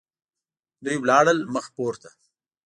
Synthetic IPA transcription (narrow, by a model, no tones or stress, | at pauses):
d̪ujwlɑːɽəlməxpoːɾt̪a